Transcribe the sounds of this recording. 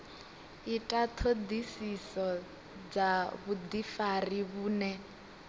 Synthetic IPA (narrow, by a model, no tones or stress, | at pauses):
itʼat̪ʰod̪isisɔ | d͡zaβud̪ifariβuːnɛ